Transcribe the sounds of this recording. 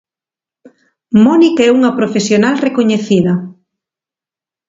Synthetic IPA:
mɔnikɛuŋɐpɾofesjonalrekoɲeθiðɐ

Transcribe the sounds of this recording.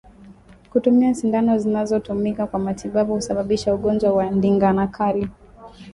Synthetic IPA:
kutumiaʃindanɔzinazɔtumikakwamatʰiɓaɓuhusaɓaɓiʃauɠɔnd͡ʒwawandiŋɡanakʰali

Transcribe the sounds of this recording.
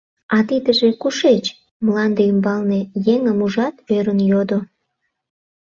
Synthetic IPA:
ɑt̪id̪əʒekuʃet͡ɕ | mlɑnd̪eymbɑlnejeŋəmuʒɑt̪øɾənjod̪o

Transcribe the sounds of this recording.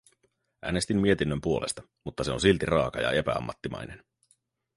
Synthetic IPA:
ʔæ̰ːnest̪imːie̞t̪inːømpuo̞lest̪ɑ | mut̪ːɑse̞o̞nsilt̪irɑːkɑjɑ̰e̞pæ̰ɑ̰mːɑt̪ːimɑ̰jne̞n

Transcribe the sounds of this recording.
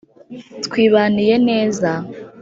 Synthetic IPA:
tkwiːβaːnije̞ne̞ːza

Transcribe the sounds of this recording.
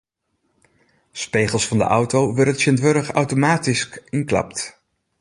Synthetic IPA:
spejχəlˠsfɑndə̰ʔʌwtowʋɪrətʃɪndʋøɾəχɑwtomaːtiskɪnklɑ̰pt

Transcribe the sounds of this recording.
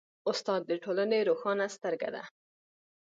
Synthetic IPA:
ʊst̪ɑd̪̚ːəʈolaneɾoxɑnast̪əɾɡa̰d̪a̰

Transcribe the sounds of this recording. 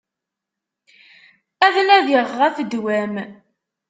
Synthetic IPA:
æðnæðəʁʁæfəd̪wæm

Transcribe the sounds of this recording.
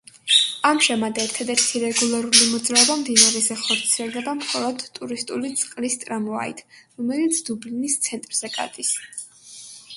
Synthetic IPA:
amʒamad̪ɛɾt̪ʰad̪ɛɾt̪ʰiɾɛɡulˠaɾulimɔd̪zʼɾaɔbamd̪inaɾɛzɛχɔɾt̪sʰiɛlˠd̪ɛbamχɔlˠɔd̪ʼuɾist̪ʼulit̪sʼqʼlist̪ʼɾamɔa̰ḭt̪ʰɾɔmɛlit̪sʰd̪ublinist̪sʰɛnt̪ʼɾz̥ɛkʼa̰d̪ʼis

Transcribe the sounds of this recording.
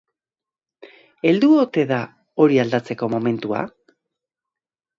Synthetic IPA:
e̞ld̪uot̪e̞ða | o̞ɾiald̪at͡se̞ko̞mo̞me̞nt̪ua̰

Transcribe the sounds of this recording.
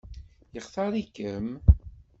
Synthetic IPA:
jəχθɑɾˤikəm

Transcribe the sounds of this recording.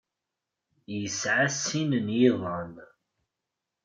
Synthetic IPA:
jəsʕasːinənjiðˤən

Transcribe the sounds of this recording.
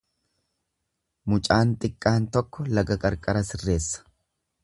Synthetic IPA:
mʊt͡ʃʼaːnt̪ʼɪkʼːaːnt̪ɔkːɔlɐɡɐkʼɐɾkʼɐɾɐsɪrːe̞ːsːɐ̥

